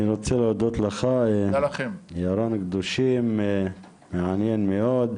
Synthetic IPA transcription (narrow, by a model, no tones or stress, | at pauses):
niɾot͡selod̪ot̪laxa | jaɾˤonkd̪oʃimː | eʕanjenmeʔoːd̪